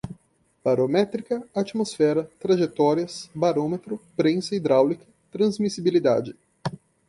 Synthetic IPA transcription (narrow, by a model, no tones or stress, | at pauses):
b̥aɾomɛt̪ɾikɐat͡ʃimosfɛɾɐt̪ɾaʒet̪ɔɾiɐsbaɾõmet̪ɾʊpɾẽsɐid̪ɾawlikɐ | t̪ɾɐ̃zmisibilid̪a̰d͡ʒɪ